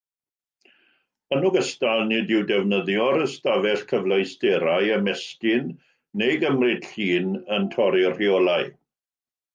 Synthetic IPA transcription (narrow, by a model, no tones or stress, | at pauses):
ənuɡəstalˠnɪdɪwdɛvnəðjɔɾəstavɛɬkʰəvlˠajstɛɾajəmɛskɪnː | ejɡəmrɪd̥ɬiːnəntʰɔɾɪr̥jɔlˠaɨ